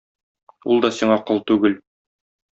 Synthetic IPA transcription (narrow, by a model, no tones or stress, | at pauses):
ṵlˠd̪ɒsiɴɑqɤlˠt̪ʉɡɘl